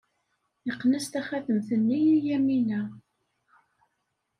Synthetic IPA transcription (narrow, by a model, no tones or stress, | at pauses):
iqːnæst̪æχæðəmθənːijijæminæ